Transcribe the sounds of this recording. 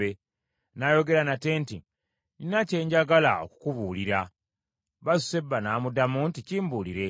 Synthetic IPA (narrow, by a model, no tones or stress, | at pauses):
e | naːjo̞ɡe̞ɾanate̞ːnti | ninace̞ːɲɟaɡala̰o̞̰ku̥kuβuːliɾa | βazu̥se̞bːanaːmudamunticiːmbuːliɾe̞